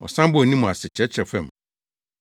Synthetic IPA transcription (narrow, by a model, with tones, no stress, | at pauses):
ɔ̰˨sã˦mbʊ˦˨nĩ˦mʊ̃˨a˨sɪ˨t͡ɕʰɛ˦t͡ɕʰɾɛ˨fɛ̃˦˨m